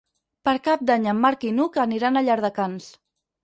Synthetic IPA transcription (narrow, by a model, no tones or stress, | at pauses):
pəɾkap̚d̪aɲəmːaɾkinukəniɾanaʎaɾðəkans